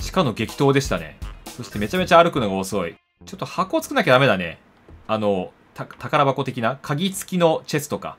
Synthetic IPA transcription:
t͡ɕi̥kano̞ɡe̞kʲi̥t̪o̞ːd̪e̞ɕi̥t̪anḛso̞ɕi̥t̪e̞me̞t͡ɕame̞t͡ɕaːɾɯ̟kɯ̟no̞ɡao̞so̞i | t͡ɕo̞t̪ːo̞hako̞ːt͡sɨ̥kɯ̟nak̬ʲad̪ame̞d̪ane̞̰ | ano̞ | t̪at̪akaɾabako̞t̪e̞kʲinakʰaɡʲit͡sɨ̥kʲino̞t͡ɕe̞sɨ̥t̪o̞ka̰

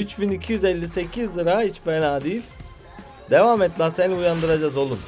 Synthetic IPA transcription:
yt͡ʃbinicʰijyzɛlʲːise̞cʰizːɯɾahit͡ʃfenaːd̪ijilʲ | d̪evaːmɛt̪lʲasænujand̪ɯɾad͡ʒazo̞lˠum

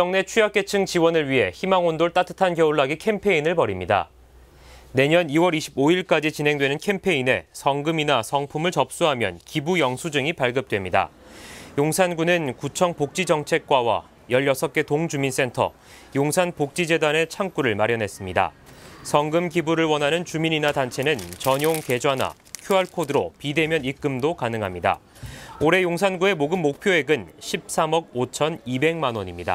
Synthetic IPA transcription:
ʌŋne̞t͡ɕʰujak͈e̞t͡ɕʰɯŋt͡ɕiwʌnɯɭɥiɦe̞̰çimaŋondoɭt͈atʰɯ̥tʰankjʌuɭːaɡikʰe̞mpʰe̞inɯɭpʌɾimɲida̰ | ne̞ɲʌniwʌɾiɕʰiboiɭk͈ad͡ʑit͡ɕinɦe̞ŋdwe̞nɯnkʰe̞mpʰe̞ine̞̰sʰʌŋɡɯminasʰʌŋpʰumɯɭt͡ɕʌp̚s͈uɦamjʌ̰nkibujʌŋsʰud͡ʑɯŋipaɭɡɯp̚t͈we̞mɲida̰ | joŋsʰanɡunɯnkut͡ɕʰʌŋpok̚t͡ɕ͈id͡ʑʌŋt͡ɕʰe̞k̚k͈wawa̰ | jʌʎjʌsʰʌk͈e̞toŋd͡ʑumins͈e̞ntʰʌ̰ | joŋsʰanpok̚t͡ɕ͈id͡ʑe̞dane̞t͡ɕʰaŋk͈uɾɯɭmaɾjʌnɦe̞s͈ɯmɲida̰sʰʌŋɡɯmkibuɾɯɭwʌnɦanɯnt͡ɕumiɲinatant͡ɕʰe̞nɯnt͡ɕʌɲjoŋke̞d͡ʑwana̰ | kʰjoaɭkʰodɯɾopide̞mjʌnik͈ɯmdokanɯŋɦamɲida̰ | oɾe̞joŋsʰanɡue̞moɡɯmːok̚pʰjoe̞ɡɯnɕʰip̚s͈amʌɡ̚ot͡ɕʰʌnibe̞ŋmanwʌɲimɲida̰

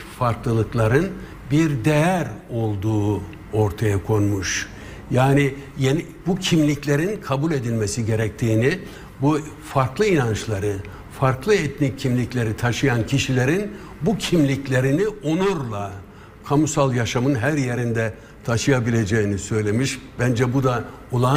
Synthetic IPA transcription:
faɾklˠɯlˠɯklˠaɾɯn | biɾd̪ejæɾo̞lˠd̪uː | o̞ɾt̪ʰajakʰo̞nmuʃ | jaːnijen | bucʰimlʲiclʲe̞ɾinkʰabulʲe̞d̪ilʲmesiɟe̞ɾɛc̚t̪ʰiːni | bu | faɾklˠɯinant͡ʃlˠaɾɯ | faɾklˠɯɛt̪nicʰːimlʲiclʲe̞ɾit̪ʰaʃɯjancʰiʃilʲeɾin | bucʰimlʲiclʲe̞ɾinionuɾlˠa | kʰamusalˠjaʃamɯnɦæɾje̞ɾind̪ɛ | t̪ʰaʃɯjabilʲe̞d͡ʒejinisø̞jlʲe̞miʃb̥ænd͡ʒɛbud̪a | olˠa

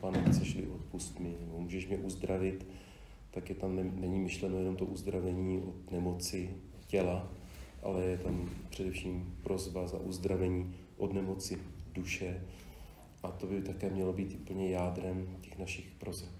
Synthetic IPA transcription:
panɛbɪsɛʃlɪ̰ʔot̪̚pust̪mɪnɛbomuːʒɛʃmɲɛʔuzd̪ɾavɪt̪ː | akjɛt̪amnɛɲɪmɪʃlɛnojɛno̞mt̪oʔuzd̪ɾavɛɲiːʔot̪nɛmo̞t͡sɪ | cɛla | ʔa̰lɛjɛt̪ampr̥ɛdɛfʃiːmpɾo̞zbaza̰ʔuzd̪ɾavɛɲiː | ʔod̪nɛmo̞t͡sɪduʃɛ | ʔat̪o̞bɪt̪akɛːmɲɛlobiːt̪upl̩ɲɛjaːd̪ɾɛmcɛxnaʃɪxpɾozɛf

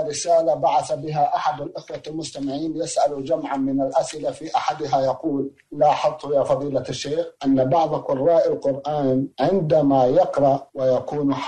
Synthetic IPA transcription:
ɾɪsaːlabaʕaθabɪɦaʔaħad̪alʔɪxwalmʊst̪amɪʕiːnjɪsʔalud͡ʒamʕanmɪnalʔasʔɪlafiʔaħad̪ɦajɑquːlː | aːħɑt̪ˤːʊjaːfɑðˤiːlaʃːeːxʔanːabɑʕðˤqʊrˤːɑːʔalqʊɾʔaːnʕɪnd̪amajɑqɾˤɑʔwɪjakuːnħ

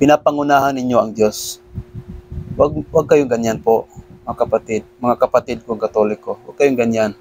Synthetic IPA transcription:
pɪnapaŋʊnaːhanːɪɲjoɐŋd̪jos | waɡ̚waɡ̚kɐjoŋɡanjanpoʔmŋakɐpat̪ɪd̪̚mɐŋakɐpat̪ɪd̪̚koŋkat̪olɪkowa̰ɡ̚kɐjoŋɡanjan

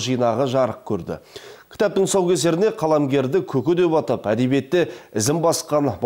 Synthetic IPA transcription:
ʒijnɑʁəʒɑɾəq̚kʲʰɵɾd̪ɪ̰kʲʰɪ̥t̪ɑp̚t̪ɪŋsowkʲe̞se̞ɾɪne̞qʰɑlˠɑmɡʲe̞ɾd̪ɪkʲʰɵkʲɪd̪e̞pɑt̪əpæd̪e̞bije̞t̪ːɪɪzɪmbɑsqɑnb

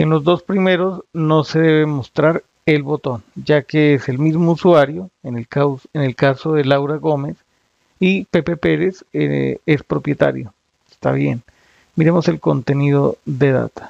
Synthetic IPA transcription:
enlo̞zd̪o̞spɾime̞ɾo̞zno̞se̞ðe̞βemo̞st̪ɾaɾ | e̞lβo̞t̪o̞nd͡ʒakeeselmizmouswaɾjo̞enekaene̞lkaso̞ðe̞lawɾaɣo̞me̞s | ipe̞pe̞pe̞ɾe̞sḛe̞spɾo̞pje̞t̪a̰ɾjo | e̥st̪a̰βje̞̰n | miɾe̞mo̞se̞lko̞nt̪e̞niðo̞ðe̞ða̰t̪ḁ

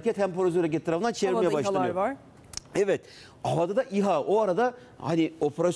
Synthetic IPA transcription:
kʰʲɛt̪hæmpoɾazøɾecʲet̪ʰːaɾafɯnd̪ant͡ʃʰeiɾmejɛbaʃlˠjaɾ | ɛvɛt̪ | avad̪ad̪aʔiɦaoaɾad̪a | hanio̞pʰeɾas

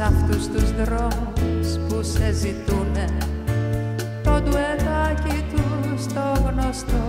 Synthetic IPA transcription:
aft̪ust̪uzd̪ɾɔmuspusɛzit̪une | t̪od̪uɛt̪akit̪ust̪ɔɣnɔst̪o

